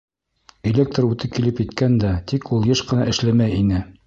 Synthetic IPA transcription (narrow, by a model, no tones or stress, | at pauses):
elʲek̚t̪rʉt̪ɘp̚kilɘpjɘ̆t̪kænd̪æt̪ikulˠjɤʃqɤ̆nɑʔɘ̆ʃlæmæjinɘ